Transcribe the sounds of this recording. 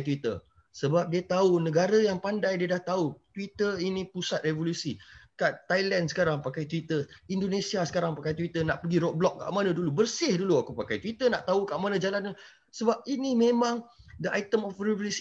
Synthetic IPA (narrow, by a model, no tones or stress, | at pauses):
t̪wit̪ə̰ | səbap̚diat̪aunəɡaɾəjaŋpandajdiadaht̪aut̪wit̪əinĩpusat̪̚revolusikaʔt̪ajlandsə̥kaɾaŋpakajt̪wit̪əindonẽsiasə̥kaɾaŋpakajt̪wit̪ənaʔpəɡiɾɔk̚blɔk̚ːa̰ʔmanə̃dulubərsɪhduluakupakajt̪wit̪ənaʔt̪aukaʔmanə̃d͡ʒalanə | səbap̚inimẽmãŋdəajt̪əmɔfrevolus